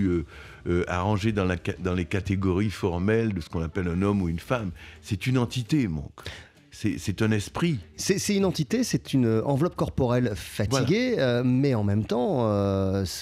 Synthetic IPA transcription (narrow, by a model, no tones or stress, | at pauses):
ø | øa̰ʁɑ̃ʒed̪ɑ̃lakad̪ɑ̃lekat̪eɡɔʁifɔʁmɛld̪əsə̥kɔ̃napɛlɛ̃nɔmuynfamsɛt̪ynɑ̃t̪it̪emɑ̰̃k | sɛsɛt̪ɛ̃nɛspχisɛsɛt̪ynɑ̃t̪it̪esɛt̪ʰynøɑ̃vlɔp̚kɔʁpɔʁɛlfat̪viɡʲeømɛɑ̃mɛmt̪ɑ̃øs